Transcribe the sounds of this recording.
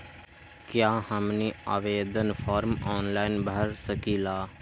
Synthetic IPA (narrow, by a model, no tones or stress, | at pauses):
kjaːhəmniːa̰ːʋeːd̪ənpʰaːɾmɔːnlaːɪnbəəɾsəkiːlaː